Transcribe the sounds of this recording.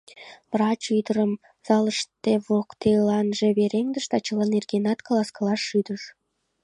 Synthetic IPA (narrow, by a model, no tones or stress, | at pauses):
βrɑt͡ɕyd̪əɾəm | z̥ɑləʃt̪eβokt̪elɑnʒeβeɾeŋd̪əʃt̪ɑt͡ɕəlɑnerɡenɑt̪kəlɑskəlɑʃːyd̪əʃ